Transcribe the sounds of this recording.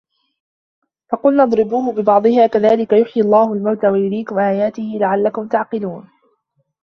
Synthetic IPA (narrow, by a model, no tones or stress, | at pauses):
fɑqʊlnɑd̪ˤɾɪbuːhʊbɪbɑʕd̪ˤɨhaːkaðaːlɪkajʊħjialˤːɑːhʊlmawt̪aːwajʊɾiːkʊmʔaːjaːt̪ɪhɪlaʕalːakʊmt̪aʕqɪluːn